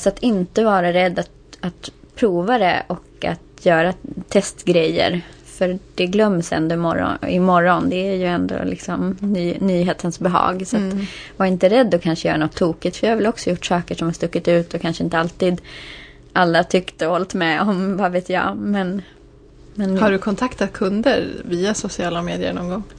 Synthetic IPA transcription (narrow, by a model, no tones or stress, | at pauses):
sɔat̪ɪnt̪əvɑːɾaɾɛd̪ːat̪ | at̪pʰɾuːvad̪ɛ̰ʔɔka̰t̪jœːɾat̪ʰɛst̪ɡɾɛjːə̰ɾfœɾd̪ɛɡlœmːsɛ̰nd̪oːɪmɔ̰ɾɔ̰ɪmɔɾːɔnd̪ɛæjɵɛnd̪o̰lɪ̰ksɔmnyːnyːɦeːt̪ʰənsbɛɦɑ̰ːɡsɔat̪vaɾɪnt̪əɾɛd̪ːɔkʰanʂəjœ̰ːɾanɔt̪ʰːuːkɪt̪fœɾjahaɾvɪlɔksɔjʊʈːsɑːkəʂɔmhast̪ɵkːɪt̪ʉ̟ːt̪ɔkʰanʂəɪnt̪əalt̪iːd̪ | ʔalːat̪ʰʏkt̪əɔlt̪mɛɔmvaveːt̪ja̰mɛn | mɛnhaɖɵkʰɔnt̪ʰakt̪at̪̚kʰɵnd̪ə̰ɾviːasʊsɪɑːlameːd̪ɪə̰ɳɔŋɡɔŋ